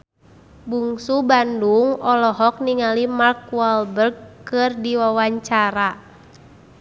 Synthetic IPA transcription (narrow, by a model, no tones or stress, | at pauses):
buŋsubanduŋɔlɔɦɔk̚niŋalimark̚waɔlbərɡkɨrdiwawaɲt͡ʃaɾa